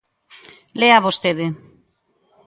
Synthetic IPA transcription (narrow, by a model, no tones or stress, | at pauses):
leaβost̪eðe